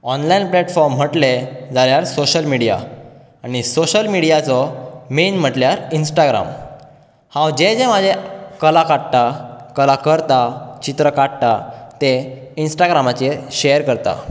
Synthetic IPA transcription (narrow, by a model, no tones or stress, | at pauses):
ɔnlainplɛʈfɔɾm̤ːəʈled͡zaljaɾsoɕəlmiɽija̰ | aɽ̃isoɕəlmiɽijat͡sɔmenm̤əʈljaɾinsʈaɡɾa̰m | hãwd͡ʑed͡zemad͡zʱekəlakaɽt̪akəlakəɾt̪at͡ɕit̪ɾəkaɽt̪at̪einsʈaɡɾamat͡ɕeɕejəɾkəɾt̪a̰